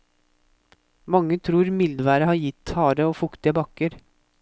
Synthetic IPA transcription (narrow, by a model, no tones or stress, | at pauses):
mɑŋːət̪ʰɾuːɾmɪld̪ʋæːɾəhɑːɾjɪt̪ːhɑːɾəoːfʊkt̪əbɑkəɾ